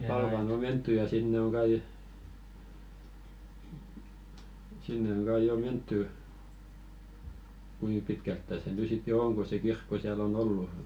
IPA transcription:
pɑlʋɑˑn o mentːy jɑ sinːe oŋ ɡ̊ɑi sinːe oŋ ɡ̊ɑi jo mentːy kui pitkæltːæ se ny sit jo oŋ ko se kirkːo siæl on olːu

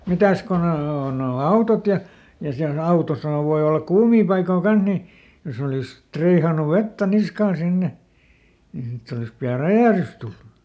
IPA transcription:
mitæs ko ne o noː noː ɑutot jɑ jɑ siæl ɑutosɑhɑʋ̆ ʋoi olːɑk kuːmiː pɑikoː kɑnh ni jos oliˑs triːhɑnu ʋetːæ niskɑːn sinːe niː sitː olis piɑ ræjæˑhrys tulːu

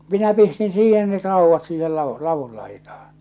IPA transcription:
minæ pistin siːhen net rɑuʋːɑt siːhel lɑʋu lɑʋul lɑitɑhɑ̥n̥

